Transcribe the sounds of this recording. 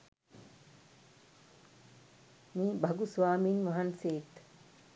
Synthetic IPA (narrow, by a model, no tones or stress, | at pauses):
miːbaɡusʋaːminmaɦanseːt̪